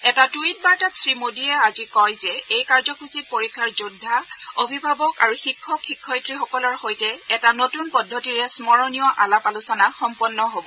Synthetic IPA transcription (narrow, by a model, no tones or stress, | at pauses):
ɛtatuit̚baɹtatsɹimodiɛazikɔjzɛejkaɹzɔkʰusit̚poɹikʰːaɹzudʱːaobʱibʱabɔka̰ɹuxikʰːɔkʰːikʰːɔjtɹixɔkɔlɔɹxojtɛɛtanotunpɔdʱːɔtiɹɛsmɔɹɔnijɔʔalapalusɔnaxɔmpɔnːɔɦobɔ